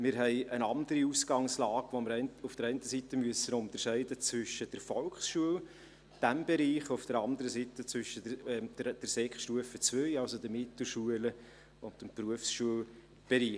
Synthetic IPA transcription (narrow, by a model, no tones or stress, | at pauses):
mɪːɾɦɛɪənɑnd̪əɾiusɡɑŋslɑːɡʋoməɾɛɪnufd̥əɾɛɪntəsit̪ːəmyəsənʊnt̪ərʃɛɪdət͡svʏʃəd̥əɾfɔlkχsʃuəl | d̥æmb̥eɾiːχʊfd̥əɾɑnd̪əɾəsit̪ət͡sʋʏʃːəɛd̥d̥ɛɾsɛkχʃtuəfət͡svœjɑlsodəmɪtl̩ʃuələ | ʊntəmpruəfsʃuəl | b̥eɾiː